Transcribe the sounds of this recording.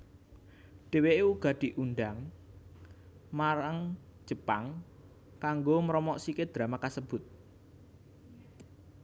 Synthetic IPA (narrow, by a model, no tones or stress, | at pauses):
ɖ̥e̤weʔeuɡ̥ä̤d̪̥i̤ʔunɖaŋ | maɾaŋd̥ʒ̥ə̤paŋ | kaŋɡomɾɔmɔʔsiked̪̥ɾamakasəb̥ʊt̪̚